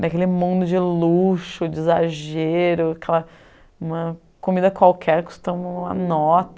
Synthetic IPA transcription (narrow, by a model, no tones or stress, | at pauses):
ɐkelɪmũd̪ʊd͡ʒɪluʃʊd͡ʒɪːzaʒeɾʊakɛlɐ | ũmɐ | komid̪ɐkwawkʰɛɾku̥st̪ɐ̃ũmɐ̰nɔt̪ɐ